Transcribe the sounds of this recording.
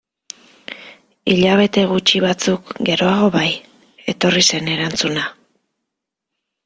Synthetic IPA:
iʎaβ̞e̞t̪e̞ɣ̞ut͡ʃiβat͡sukɡe̞ɾo̞aɣ̞o̞βaj | e̞t̪o̞rise̞ne̞ɾant͡suna

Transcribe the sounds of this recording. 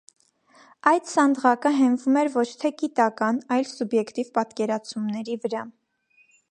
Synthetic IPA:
ɑjd̪sɑnd̪ʁɑkəɦɛnvumɛɾvɔt͡ʃʰt̪ʰɛɡit̪ɑkɑnɑjlsubjɛkt̪ivpɑt̪kɛɾɑt͡sʰumnɛɾivəɾɑ

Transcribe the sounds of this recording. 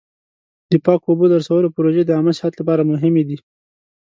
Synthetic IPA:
d̪̥əpɑkobod̪aɾsawəlopəɾoʒed̪əaməsɪhat̪lapɑɾamʊɦɪmed̪i

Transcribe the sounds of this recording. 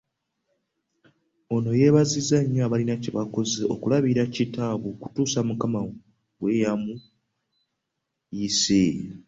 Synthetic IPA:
o̞no̞je̞βazizaɲːaːβalinaciβako̞zeo̰kulaβiɾacitaβuku̥tuːsamukama | wwe̞jamu | ise

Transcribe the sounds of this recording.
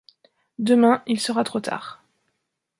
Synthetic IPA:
d̪əmɛ̃ilsəʁat̪χot̪ʰa̰ːʁ

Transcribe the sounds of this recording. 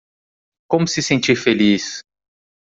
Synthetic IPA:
kõmʊsɪsẽnt͡ʃiɾfelis

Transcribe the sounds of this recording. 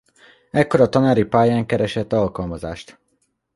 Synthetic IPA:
ɛkːo̞ɾɒt̪ɒnaːɾipaːjaːŋkɛɾɛʃɛt̪ːɒlkɒlmɒza̰ːʃt̪

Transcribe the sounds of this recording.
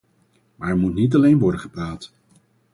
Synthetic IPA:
maːɹɛɹmutnit̬ɑlejnʋɔɹdəχəpraːt

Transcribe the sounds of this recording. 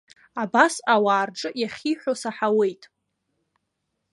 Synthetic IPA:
abasawaːrʈ͡ʂʼɨjaχʲiħʷᶣosaħawe̞jtʼ

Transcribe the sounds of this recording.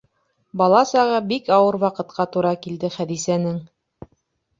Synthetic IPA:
bɑlˠɑsɑʁɤbikɑwɤɾwɑqɤ̆t̪̚qɑt̪uɾɑkild̪ɘχæðisænɘŋ

